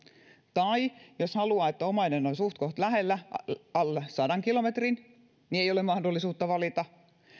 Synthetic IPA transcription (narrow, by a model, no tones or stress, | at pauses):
t̪ɑijoshɑluɑːet̪ːæomɑinenonsuht̪̚koht̪læɦelːæɑlːesɑdɑŋkilomet̪rin | nieijolemɑhdolːisuːt̪ːɑʋɑlit̪ɑ